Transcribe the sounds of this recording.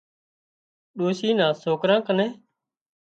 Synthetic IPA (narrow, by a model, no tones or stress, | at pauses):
ɗoːʃiːnãːsoːkɾãːkəneː